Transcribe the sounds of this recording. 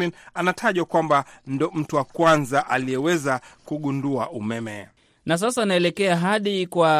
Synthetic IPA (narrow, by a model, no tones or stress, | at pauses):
linanatʰaʄwakwambandɔm̩tuwakwanzaʔaliɛwɛzakuɠunduaʔumɛmɛ | nas̬asanaɛlɛkɛaɦaɗikwa